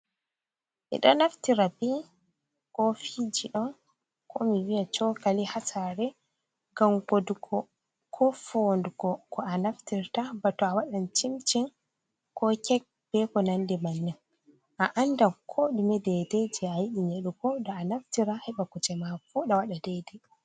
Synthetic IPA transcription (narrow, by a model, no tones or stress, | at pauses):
ʔḭɗɔnaftiɾabi | kɔfid͡ʒiɗɔn | kɔmiwijat͡ʃɔkalihasaɾɛ | ɡamɡoduɡɔ | kʰɔfonduɡɔkʰɔanaftiɾtabatɔawaɗant͡ʃimt͡ʃin | kɔkɛk̚b̥ɛkɔnandɛmanːɛn | ʔaʔandakʰoɗumɛdɛded͡ʒɛajiɗiɲeɗukɔdɔːnaftiɾahɛɓakut͡ʃɛmafuɗawaɗadɛdɛ